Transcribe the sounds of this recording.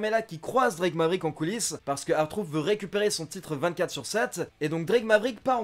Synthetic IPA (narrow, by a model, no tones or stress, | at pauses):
melakʲikχwazd̪ʁiɡmavʁikɑ̃kulispaʁsə̥kəaʁt̪χufvøʁekʲypeʁesɔ̃t̪it̪χəvɛ̃t̪̚kat̪χsyʁsɛt̪ed̪ɔ̃k̚d̪ʁiɡmabʁikpaʁɑ̃